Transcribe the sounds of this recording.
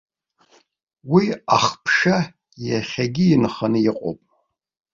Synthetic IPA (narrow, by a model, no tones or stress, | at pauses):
wiaχpʰʂa | jaχʲaɡʲiːnχanɨjɪqʼo̰pʼ